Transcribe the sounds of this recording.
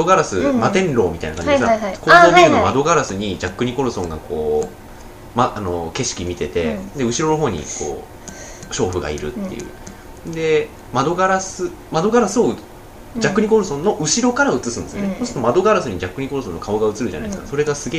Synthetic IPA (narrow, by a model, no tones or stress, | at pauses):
aoɡaɾasɨmat̪ẽ̞nɾo̞ːmʲit̪ainakaɲd͡ʑeeskakonːamenomad̪o̞ɡaɾasɨɲ̟id͡ʑakːɯ̟ɲ̟iko̞ɾɯ̟sõ̞ŋɡa̰kʰo̞ː | maano̞ke̞ɕi̥kʲimʲit̪e̞t̪e̞̰d̪e̞ɯ̟ɕiɾo̞noɦo̞ːɲ̟ḭko̞̰ː | ɕo̞ːɸɯ̟ɡa̰ḭɾɯ̟̰t̪ːe̞̰jɯ̟̰ | d̪e̞ | mad̪o̞ɡaɾasɨ | mad̪o̞ɡaɾasɨoɯ | d͡ʑakːɯ̟ɲ̟ik̬o̞ɾɯsõ̞nːo̞ʔɯ̟ɕiɾo̞kaɾaɯ̟t͡sɨsɨ̃nd̪eɨjonesosɨ̥t̪o̞mad̪o̞ɡaɾasɨɲ̟id͡ʑakːɯ̟ɲ̟iko̞ɾɯ̟so̞nːo̞kʰaoɡaɯ̟t͡sɨɾɯ̟ʑa̰na̰isɨkaso̞ɾe̞ɡasɨɡeː